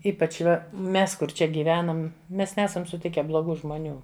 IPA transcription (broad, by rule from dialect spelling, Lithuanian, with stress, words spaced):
ˈiːpɐt͡ʃ ˈʋɐ ˈmʲɛs ˈkʊr ˈt͡ʃʲɛ ɡʲiːˈʋʲæːnɐm ˈmʲɛs ˈnʲæːsɐm sʊˈtʲɪkʲɛ blˠoːˈɡuː ʒmoːˈnʲuː